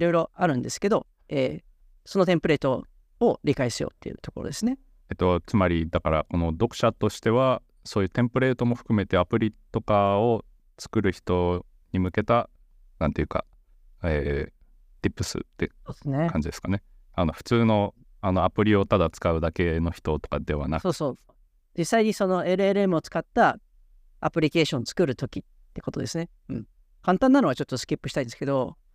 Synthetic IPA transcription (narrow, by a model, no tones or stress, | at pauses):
ɾo̞iɾo̞aɾɯ̟̃nd̪e̞sɨ̥ke̞d̪o̞ | eː | so̞not̪ẽmpɯ̟ɾe̞ːt̪o | oɾʲikaiɕijo̰ːt̪ːe̞jɯ̟t̪o̞ko̞ɾo̰d̪e̞sɨne̞ | et̪ːo̞t͡sɨmaɾʲid̪akaɾa̰ko̞no̞d̪o̞kɯ̟̥ɕat̪o̞ɕi̥t̪e̞βa | so̞ːjɯ̟t̪ẽ̞mpɯ̟ɾe̞ːt̪o̞mo̞ɸɯ̟̥kɯ̟me̞t̪e̞apɯ̟ɾʲit̪o̞kao̞ | t͡sɨ̥kɯ̟ɾɯ̟çi̥t̪o̞ | ɲimɯ̟ke̞t̪a | nã̰nt̪e̞jiɯ̟ka̰ | eː | t̪ʲipːɯ̟sɨ̰t̪ːeoːd̪esnekʰãɲ̟d͡ʑid̪e̞sɨ̥kane̞ | ano̞ɸɯ̟̥t͡sɨːno̞ | anoapɯ̟ɾʲio̞t̪ad̪at͡sɨ̥kaɯ̟d̪ake̞no̞çi̥t̪o̞t̪o̞̥kad̪e̞βa̰naso̞ːso̞ːo | d͡ʑisːaiɲ̟iso̞no̞e̞ɾɯ̟eɾɯ̟e̞mɯ̟o̞t͡sɨ̥kat̪ːa | apɯ̟ɾʲike̞ːɕõ̞nt͡sɨ̥kɯ̟ɾɯ̟t̪o̞kʲit̪ːe̞ko̞t̪o̞d̪e̞sɨne̞ | ɯ̟̃ɴ | kãnt̪ãnːano̞ɡat͡ɕo̞t̪ːosɨ̥kʲipːɯ̟ɕi̥aĩd̪esɨ̥ke̞d̪o̞